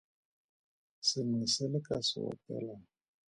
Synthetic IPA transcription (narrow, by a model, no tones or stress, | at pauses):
sɪmisɛlɪkasɪ̰wɔ̰pɛ̰la